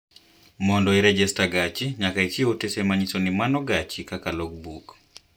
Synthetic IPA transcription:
mɔndɔɛɾɛd͡ʒɛstaɡat͡ʃiɲakait͡ʃiotesemaɲisonimanɔɡat͡ʃikakalɔk̚buk

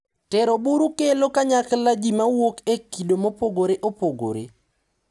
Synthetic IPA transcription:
tɛɾobuɾukelokaɲaklad͡ʒimawokekːidomopoɡoɾeʔopoɡo̰ɾḛ

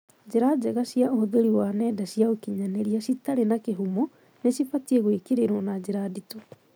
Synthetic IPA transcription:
d͡ʑeɾad͡ʒɛɣasjaohoðoɾiwanɛdasiaokiɲaneɾiasitaɾenakeɦumo | nesifatieɣwekeɾeɾɔnad͡ʑeɾadito

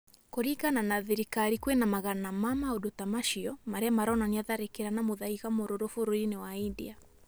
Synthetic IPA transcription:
koɾiɣananaðiɾikaɾikwenamaɣanamamaodotamaʃiɔmaɾɛamaɾɔnaniaðaɾekeɾanamoðaiɣamoɾoɾofoɾoinewaindḭa

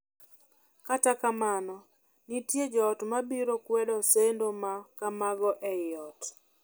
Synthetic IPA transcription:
katakamanɔ | nitjed͡ʒɔːtmabiɾokwɛdɔsendomakamaɡɔʔɛjɪɔt

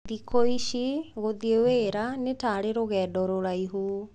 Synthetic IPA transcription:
ðikoiɕiɣoðieweːɾanetaːɾeɾoɣɛːdɔɾoɾaiɦu

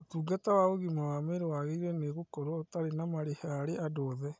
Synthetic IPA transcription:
otuːɡatawaoɣimawameɾewaɣeiɾɛneɣokɔɾwataɾenamaɾehɛaɾeʔadɔːðɛ

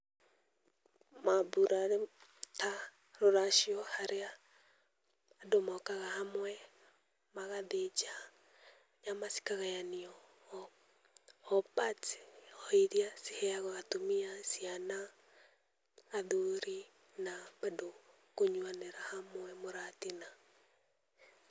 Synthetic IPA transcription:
maβuɾaɾeta | ɾoɾaʃiɔhaɾea | domaːkaɣahamwɛ | maɣaðed͡ʒa | ɲamasi̥kaɣajaniɔ | ɔpatɔiɾiasi̥hɛaɣɔɣatomiasiana | ðuɾi | nabado | koɲwaneɾahamwɛmoɾatina

